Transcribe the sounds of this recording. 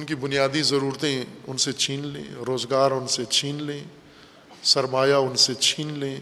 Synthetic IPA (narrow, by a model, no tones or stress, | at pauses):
ʊnkibʊnijaːd̪izɐɾuːɾt̪ẽʊnset͡ʃʰiːnlḛ̃ːɾoːzɡaːɾʊnset͡ʃʰiːnlẽː | sɐɾmaːjaʊnset͡ʃʰiːnlẽː